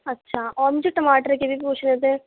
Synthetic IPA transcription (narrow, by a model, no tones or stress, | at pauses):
ɐtːʃʰaɔːɾmʊd͡ʒʱeʈɐmaːʈəɾkebʱipuːt͡ʃʰnet̪ɛ̃